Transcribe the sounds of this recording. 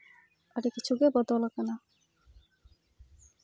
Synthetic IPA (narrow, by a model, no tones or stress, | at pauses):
aɾekit͡ɕʰuɡebɔd̪olakana